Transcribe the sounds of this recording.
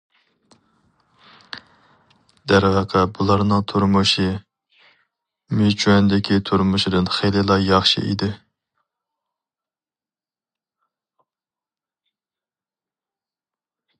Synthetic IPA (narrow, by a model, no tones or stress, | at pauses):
d̪æɾvəqʰɛbulˠɑɾnɨŋt̪ʰuɾmuʃi | met͡ʃʰyɛnd̪ɪkʲʰit̪ʰuɾmuʃid̪ɨnχejlɪlˠɑjɑχʃḭḭd̪ɪ